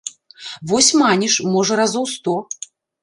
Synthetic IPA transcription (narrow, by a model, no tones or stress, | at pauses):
vɔsʲmanʲiʂmɔʐɐɾazɔwst̪ɔ